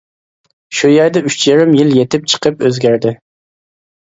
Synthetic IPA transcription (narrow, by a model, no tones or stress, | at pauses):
ʃujɛɾd̪ɛyt͡ʃjæɾɪmjɪljet̪ʰɪp̚t͡ʃʰə̥qʰəpøzɡʲæɾd̪ɪ